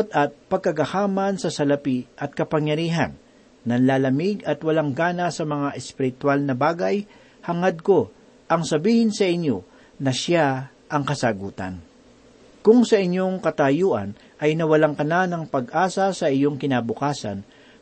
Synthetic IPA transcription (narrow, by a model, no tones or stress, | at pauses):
t̪̚ɐt̪̚pɐɡ̚kɐɡɐhaːmɐnsɐsɐlɐpiʔɐt̪̚kɐpɐŋjɐɾiːɦa̰nː | ɐnlaːlɐmɪɡɐt̪wɐlaŋɡaːnɐsɐmɐŋaʔɛspɪɾɪt̪walnɐbaːɡaj | hɐŋad̪̚ko̞ | ʔɐŋsɐbiːhɪnsɐʔɪɲjo̞ | nɐʃa | ʔɐŋkɐsaɡuːt̪ɐ̰n | kʊŋsɐʔɪɲjo̞ŋkɐt̪ajuːʔɐ̰n | ʔɐjnɐwɐlaŋkɐnanɐŋpɐɡʔaːsɐsɐʔɪjo̞ŋkɪnabʊkaːsɐ̰n